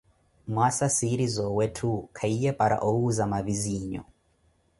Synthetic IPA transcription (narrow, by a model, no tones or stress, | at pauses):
mwasasiɾizɔwɛtʰukʰaijɛpʼaɾa̰ʔɔuzamaviziːɲɔ̰